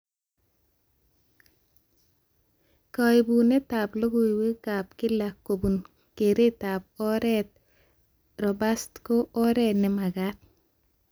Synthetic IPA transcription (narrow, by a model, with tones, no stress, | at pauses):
kɔ˨i˨bu˨ne˦ta˨plo˦ɡo˦i˨we˦ka˨pkɪ˦la˨kːo˨bu˨n | ke˨ɾe˦ta˨p̚ɔ˦ɾɛt̪̚ | ɾɔ˨ba˦st̪ko˦ʔɔ˦ɾɛ˦tnɛ˨˦ma˨ɡa˦t̪̚